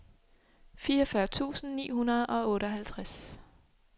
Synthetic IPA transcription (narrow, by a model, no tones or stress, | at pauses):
fiːɐfɶɐt͡sʰṵːsn̩nḭːɦunɐð̞ˠʔɒ̽ɔ̽ːɾəɒɦælt͡sʰʁas